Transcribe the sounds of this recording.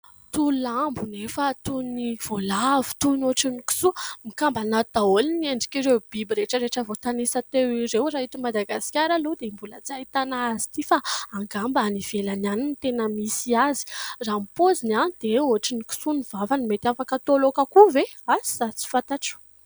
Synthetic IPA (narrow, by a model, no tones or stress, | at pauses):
t̪ulambunefət̪univ̥olavi̥t̪unoʈ͡ʂiniku̥sumikambanad̪̥aolinieɳɖ͡ʐi̥kiɾewb̥ibiɾeʈ͡ʂəɾeʈ͡ʂəvot̪anesat̪ewiɾewraɦit̪umad̪aɡasi̥kʲaɾalud̪embulat͡sait̪anaazi̥t̪ifaaŋɡambanivelananinit̪enəmisiazi̥rampozinanid̪̥eoaʈ͡ʂiniku̥sunivavanimet̪afakət̪olokakuveazi̥sat͡si̥fat̪aʈ͡ʂu̥